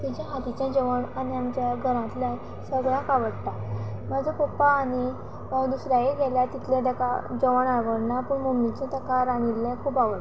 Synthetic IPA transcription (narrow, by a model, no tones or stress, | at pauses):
t̪it͡ɕãɦat̪it͡ɕjãd͡ʑəʋəɳaniamt͡ɕjaɡʱəɾãt̪la | səɡɭãkaʋəɽt̪a | mad͡zəpopaːni | əd̪usɾajeɡʱɛljat̪it̪ʰlẽɖəka̰d͡ʑəʋəɳaʋəɽnapəɳmomit͡ɕẽt̪əkaɾanilːɛ̃kʰuːpaʋə